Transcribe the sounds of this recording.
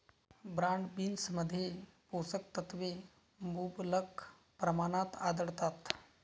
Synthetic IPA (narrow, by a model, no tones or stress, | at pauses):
bɾaɳɖbiːnsməd̪ʱːjeposək̚t̪ət̪ʋe | mublək | pɾəmanat̪ad̪əɽt̪at̪